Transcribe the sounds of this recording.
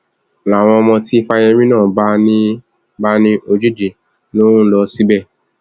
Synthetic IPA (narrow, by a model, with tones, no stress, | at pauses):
la˨w̃ɔ̃˧mɔ̃˧ti˦˧fa˧j̃ɛ̃˧mĩ˦nãː˦˨ba˦nĩ˦ | ba˦nĩ˦ʔo˧d͡ʒu˦d͡ʒi˨ | lo˦ɾũ˦lɔ˧si˦bɛ˦˨